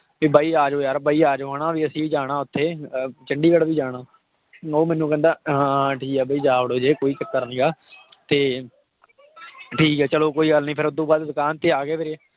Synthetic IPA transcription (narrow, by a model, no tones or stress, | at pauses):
biːbaːiːaːd͡ʒoːjaːɾbaːiːaːd͡ʒoaːɽãːʋiːəsĩːiːd͡ʒaːɽ̃ãːʊt̪ʰːeːt͡ʃəɳɖiːkəɽʋiːd͡ʒaːɽ̃ãː | oːmɛ̃ːnːũːkɛ̃ːnd̪aːãːʈʰiːkɛːbaːiːd͡ʒaːʋəɽoːd͡ʒeːkoːiːt͡ʃəkːəɾnĩːɡaː | t̪eː | ʈʰiːkɛːt͡ʃəloːkoːiːɡəlnĩːpʰɪɾʊd̪ũːbaːd̪d̪ʊkaːnt̪eːaːɡeːpʰeɾeː